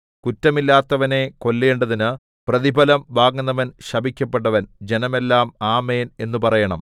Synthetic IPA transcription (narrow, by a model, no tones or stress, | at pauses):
kutːɐmilːaːt̪ːɐʋɐne̞ko̞lːeːɳɖɐðinɨ | prɐðibʱɐlɐmʋaːɡunːɐʋɐnɕɐbʱikʲːɐpːeʈːɐʋɐnd͡ʑe̞nɐme̞lːaːmaːmeːne̞nːupɐrɐjɐɳɐm